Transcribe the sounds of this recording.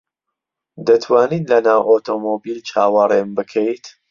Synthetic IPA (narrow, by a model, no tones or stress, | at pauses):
d̪ɐt̪ʰwaːniːnlɐnaːwʔot̪ʰomobilt͡ʃʰaːwɑrembɨkʰejt̪